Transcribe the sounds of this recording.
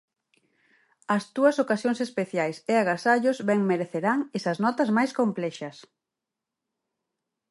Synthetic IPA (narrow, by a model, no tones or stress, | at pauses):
ɐst̪uɐsokasjoŋsespeθjajseaɣasaʎozβɛŋmeɾeθeɾaŋesɐznɔt̪ɐzmajskomplɛʃɐs